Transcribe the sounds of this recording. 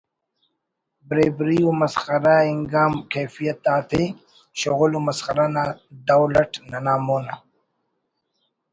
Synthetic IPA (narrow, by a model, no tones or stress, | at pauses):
bɾeːbɾiomɐsxɐɾaiŋɡaːmkejfijat̪̚ːaːt̪ʰi | ʃoɣulumɐsχɐɾanaːd̪awlɐʈnanaːmoːna